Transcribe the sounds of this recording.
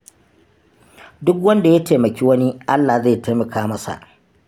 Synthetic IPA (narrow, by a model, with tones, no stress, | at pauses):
dʊ˦k̬wɐ˦nda˨ja˦teː˨mɐ˨kʲiː˦wɐ˦ni˦ʔa˦lːaː˨za˦˨ta˦mɐ˨kaː˦mɐ˦sa̰˨ʔ